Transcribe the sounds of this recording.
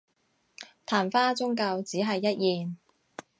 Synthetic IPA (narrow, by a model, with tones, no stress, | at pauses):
t̪ʰaː˨˩nfaː˥t͡sʊ˥ŋkɐ˧wt͡siː˨˥ɦɐ˨jːɐ˥t̚jiː˨n